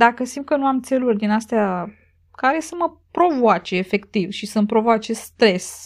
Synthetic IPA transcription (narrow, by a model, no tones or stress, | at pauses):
d̪akəsimt̪kənuamt̪se̞lurʲd̪inast̪ea | kaɾe̞səmə | pɾo̞voat͡ʃeːfe̞kt̪ivʃisəmpɾo̞voat͡ʃe̞st̪ɾe̞s